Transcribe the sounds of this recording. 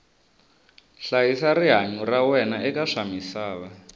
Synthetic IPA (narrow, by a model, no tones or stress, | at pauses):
ɬajisariɦaɲurawɛnaʔɛkaʂamisaːβa